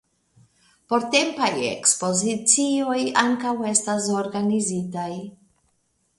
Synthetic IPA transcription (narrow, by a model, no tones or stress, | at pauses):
po̞ɾte̞mpaje̞̰kspo̞zit͡sio̞jaŋkawe̞stas̬oɾɡanizitaj